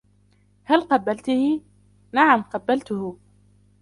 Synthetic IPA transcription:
halqɑbːalt̪ʊhɪ | naʕamqɑbːalt̪ʊhʊ

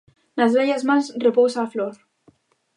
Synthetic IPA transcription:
nazβeʎazmasrepowsaːfloɾ

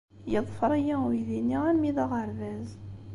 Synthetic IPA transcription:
jəðˤfəɾˤæjæwiðinːiæɾmiðɑʁəɾvæz

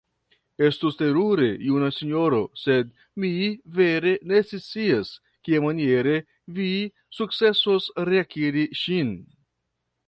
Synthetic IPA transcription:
est̪ust̪eɾuɾejunasiɲoɾosed̪̚ | miveɾenet͡sesies | kiemanjeɾe | vi | suk̚t͡ssesosreakiɾiʃin

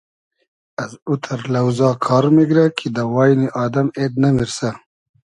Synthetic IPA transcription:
ɐzut̪ʰɐɾlɐwzɑːkʰɑːɾmeɡɾakʰid̪ɐwɑːjniʔɑːd̪ɐmed̪nɐmiɾsa

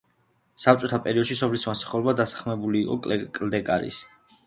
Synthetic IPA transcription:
sap̚t͡ʃʼɔt̪ʰapʼɛɾiɔd̪ʃisɔblismasḁχɛlbad̪asḁχʰmɛbuliːqʼɔ̰kʼkʼld̪ɛkʼaɾḭs

